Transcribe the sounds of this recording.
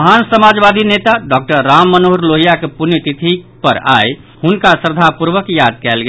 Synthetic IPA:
ɦansəmad͡ʒbad̪ʱinet̪aɖɔk̚ʈəɾːamːənoɾloɦijakepunjit̪it̪ʰipə̰ɾa̰j | hunkasəɾd̪ʱapuɾʋəkjad̪̚kɛlɡe

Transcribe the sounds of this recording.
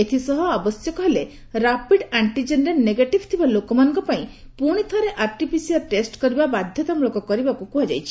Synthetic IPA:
et̪ʰisɔɦɔabɔsjɔkɔɦele | ɾapiɖaɳʈid͡ʒenɾelneɡeʈibt̪ʰibalokɔmanɔ̃ŋkɔpaĩ | puɽ̃it̪ʰɔɾeʔaɾʈipʰisialʈesʈkɔɾibabad̪ʱjɔt̪amuɭɔkɔkɔɾibakukuɦad͡ʒajt͡ʃʰi̥

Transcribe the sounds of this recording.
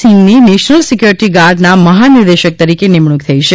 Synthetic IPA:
imnineʃnəlsɪkjuɾɪʈiɡaɾɖnaməɦanɪɾd̪eʃək̚t̪əɾikenɪmɳuk̚t̪ʰəiʃe

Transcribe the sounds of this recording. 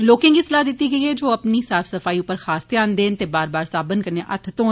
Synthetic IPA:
loːkɪ̃ːŋɡiːsəlaːd̪ɪt̪ːiːɡəiːeːd͡ʒoːəpniːsaːfsəfʰaːiːʊpːəɾxʰaːst̪eãːnd̪eːnt̪eːbaːɾbaːɾsaːbənkəɾneːʔə̰t̪ʰt̪õː

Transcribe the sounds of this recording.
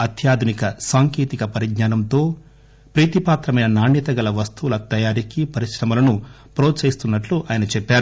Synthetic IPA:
ɐt̪ʰjaːd̪ʱunikɐsaːŋkeːt̪ikɐpɐɾiɡɲaːnɐmt̪o̞ː | pɾiːt̪ipaːt̪ɾɐmɐjnɐnaːɳːit̪ɐɡɐlɐʋɐst̪uʋulɐt̪ɐjaːɾikipɐɾiʂɾɐmɐlɐnu | pɾo̞ːt͡ʃɐːjist̪unːɐʈluʔaːjɐnɐt͡ʃɛpːaːɾu

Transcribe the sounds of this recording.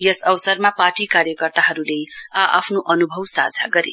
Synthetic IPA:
jʌsʌwsʌrmapaʈikaɾjʌkʌrt̪aɦʌɾulea̰pʰnoʔʌnubʱʌwsa̰d͡zʱa̰ɡʌɾḛ

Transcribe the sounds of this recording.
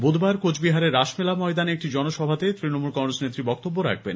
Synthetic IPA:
bod̪ʱbaɾkot͡ɕʰbiɦaɾeɾːaʃmelamɔed̪anek̚ʈid͡ʑɔnoʃɔbʱat̪et̪ɾinomulkɔŋɾesnet̪ːɾibɔk̚t̪obːoɾa̰kʰben

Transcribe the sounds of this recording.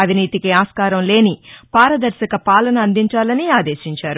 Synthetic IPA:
ɐʋʱiniːt̪ikiaːskaːɾɐmle̞ːnipaːɾɐd̪ɐɾʃɐkɐpaːlɐnɐːnd̪iɲt͡ʃaːlɐniaːd̪e̞ːʃiɲt͡ʃaːɾu

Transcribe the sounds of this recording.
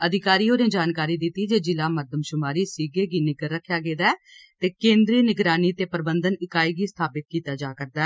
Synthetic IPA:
əd̪ʱɪkaːɾiːoːnẽːd͡ʒaːnkaːɾiːd̪ɪt̪ːiːd͡ʒeːd͡ʒɪlaːməɾd̪əmʃʊmaːɾiːsiːɡeːɡiːnɪɡəɾːəkʰːjaːɡeːd̪aːɛ | t̪eːkẽːnd̪ɾiːnɪɡɾaːniːt̪eːpəɾbənd̪ənɪkaːiːɡiːst̪ʰaːpɪt̪̚kiːt̪aːd͡ʒaːkəɾd̪aː

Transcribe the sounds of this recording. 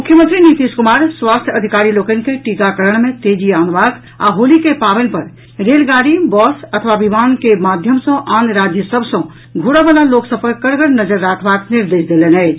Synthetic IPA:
mukʰjəmənt̪ɾinit̪iskumaɾswast̪ʰjəd̪ʱikaɾilokənkeʈikakəɾəɽ̃mẽt̪ed͡ʒianbak | a̰ɦolikepabɛnpəɾ | ɾelɡaɽibɔsət̪ʰʋabimankemad̪ʱjəmsə̃ʔanɾad͡ʒjəsəbʱsə̃ | ɡʱuɽabalaloksəb̚kəkəɾɡəɽnəd͡ʒəɾːakʰbakniɾd̪esd̪elenəɪt͡ʃʰ

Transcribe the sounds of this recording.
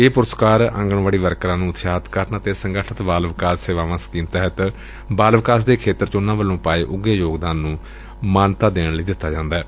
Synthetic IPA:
eːpʊɾəskaːɾə̰̃ŋɡəɳʋaːɽiːʋəɾkɾãːnũːʊt̪ʃaːt̪kəɾnət̪eːsəŋɡəʈʰət̪baːlʋɪkaːsseːʋaːʋãːsə̥kiːmt̪ɛɦət̪ | baːlʋɪkaːs̬d̪eːkʰeːt̪əɾt͡ʃʊnːãːʋəlːõːpaːeːʔʊɡeːjoːɡd̪aːnːũː | maːnt̪aːd̪eːɽləiːd̪ɪt̪ːaːd͡ʒãːnd̪aɛː

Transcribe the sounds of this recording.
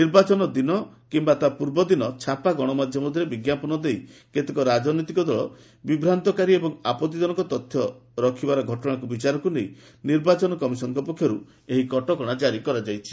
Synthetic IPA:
niɾbat͡ʃɔnɔd̪inɔ | kimbat̪apuɾbɔd̪inɔt͡ʃʰapaɡɔɽ̃ɔmad̪ʱjɔmɔd̪ʱiɾebiɡjapɔnɔd̪ejket̪ekɔɾad͡ʒɔnɔit̪ikɔd̪ɔɭɔ̰ | bibɾant̪ɔkaɾiebɔŋapɔt̪id̪ɔnɔkɔt̪ɔt̪ʰːjɔɾɔkʰibaɾɔɡʱɔʈɔɽ̃akubit͡ʃaɾɔkunej | niɾbat͡ʃɔnɔkɔmisɔnɔkɔpɔkʰːjɔɾu | eɦikɔʈɔkɔɽ̃ad͡ʒaɾikɔɾad͡ʒajt͡ʃʰi̥

